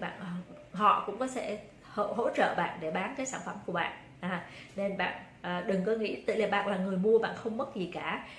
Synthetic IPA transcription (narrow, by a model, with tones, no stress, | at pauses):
ɓa̰ː˧˨n˨ | ɦɔ̰˧˨kʊ̰˧˥ŋ͡mkɔ˨˦sɛ̰˧˥ | ho˧˨ɦo̰˧˥t͡ɕə̰ː˧˨ɓa̰ː˧˨nɗe˧˩ɓaː˨˦nkaː˨˦jsaː˧˩nfə˧˩mku˧˩əɓa̰ː˧˨nʔ | ʔaː˨˩ne˧nɓa̰ː˧˨n | ʔəː˨˩ɗɨ˨˩ŋkɔ˨˦ŋḭ˧˥t̪ḭ˧˨laː˨˩ɓa̰ː˧˨nlaː˨˩ŋɨ˨˩əjmu˧əɓa̰ː˧˨nxə˧wŋ͡mmə˦˥t̚zi˨˩kaː˧˩